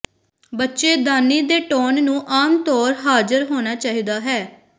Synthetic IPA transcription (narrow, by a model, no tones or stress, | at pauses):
bətːʃeːd̪aːniːd̪eːʈoːnnũːʔaːmt̪ɔːɾɦaːd͡ʒəɾɦoːnaːt͡ʃaːɦiːd̪aːɦɛː